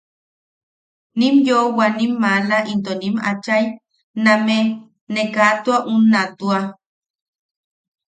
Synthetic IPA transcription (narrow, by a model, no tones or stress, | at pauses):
nimjowanimːalaʔint̪onima̰t͡ʃaj | nãme | nekat̪uaʔunːat̪ua